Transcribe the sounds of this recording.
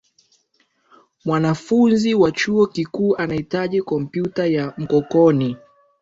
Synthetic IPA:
mwanafunziwat͡ʃuɔkikuːʔanahitaʄikɔm̩pjutajam̩kɔkɔni

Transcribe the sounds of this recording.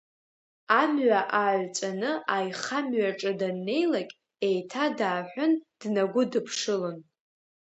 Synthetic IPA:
amɥaʔaʕt͡sʷʼanɨʔajχamɥaʈ͡ʂʼɨdanːe̞jlakʲʼ | e̞jtʰadaːħʷᶣʊnd̥naɡʷʊdɨpʰʂɨlon

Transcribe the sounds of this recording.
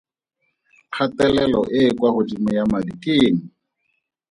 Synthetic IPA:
q͡χʰatɛlɛlɔʔɪkwahʊtʼimʊjamadikeːn̩

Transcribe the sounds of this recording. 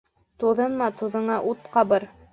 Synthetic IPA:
t̪uðɤnmɑt̪uðɤ̆ɴɑʔut̪qɑbɤɾ

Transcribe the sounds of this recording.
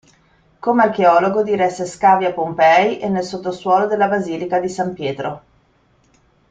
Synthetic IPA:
komearkeɔːloɡod̪iɾɛsːeskaːvjapːompɛjʔenːelsot̪ːoswɔːlod̪elːabaziːlikad̪isampjɛːt̪ɾo

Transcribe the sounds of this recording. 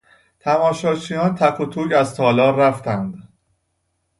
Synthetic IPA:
t̪ʰæmɒːʃɒːt͡ʃʰiːjɒːnt̪ʰækʰot̪ʰuːɟæzt̪ʰɒːlɒːɾæft̪ʰænd̪̥

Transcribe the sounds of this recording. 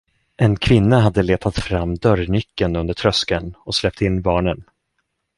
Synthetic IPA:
ʔɛnkʰvɪnːaɦad̪ːəleːt̪ʰat̪fɾamːd̪œɾnʏkːənɵnd̪əʈʰɾœskənɔslɛp̚t̪ɪnːbɑːɳən

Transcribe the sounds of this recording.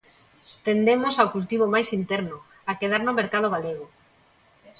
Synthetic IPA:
t̪end̪emosawkult̪iβ̞omajsint̪ɛɾnʊ | akeð̞aɾnomeɾkað̞oɣ̞aleɣ̞o

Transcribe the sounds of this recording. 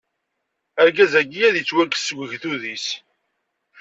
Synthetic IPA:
æɾɡæzæɡijæðjət͡sːwækːsːəɡʷəʝθuðis

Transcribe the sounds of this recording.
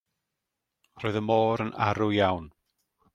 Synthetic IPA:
rɔːðəmoːɾənʔa̰ɾʊjawn

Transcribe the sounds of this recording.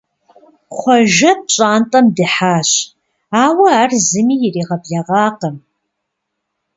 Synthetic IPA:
χʷɔʒɐp̚ɕʼaːntʼɐmdɨħaːɕ | aːwɐːrzɨmiːjɪriːʁɐbɮaʁɑːqəm

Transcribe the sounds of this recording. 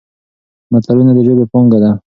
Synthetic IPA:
mat̪aɾunad̪əʒobepɔŋɡad̪a

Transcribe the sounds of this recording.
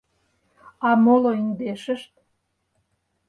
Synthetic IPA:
ɑmoloiŋd̪eʃə̆ʃt̪

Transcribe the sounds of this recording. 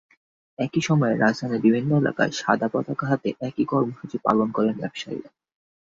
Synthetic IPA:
ɛkiʃɔmɔeɾad͡ʑd̪ʱanibibʱinːoela̰ka̰eʃad̪ʱapɔt̪akaɦat̪eʔɛkikɔɾmoʃut͡ɕipa̰lonkɔɾenbɛbʃa̰ḭɾa

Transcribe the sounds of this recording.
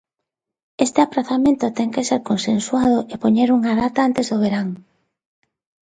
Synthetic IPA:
est̪eapɾaθamẽnt̪ʊt̪ɛŋkeseɾkonsensuað̞oʔepoɲeɾuŋaðat̪aant̪ezðoβ̞eɾaŋ

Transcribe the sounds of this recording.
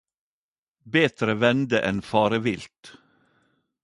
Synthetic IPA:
beːt̪ɾəʋɛnd̪əʔɛnfɑːɾəʋɪlt̪

